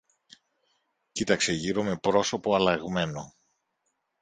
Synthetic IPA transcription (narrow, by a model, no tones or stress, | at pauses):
cit̪ɐkse̞ʝiɾo̞me̞pɾo̞so̞po̞ɐlɐɣme̞no̞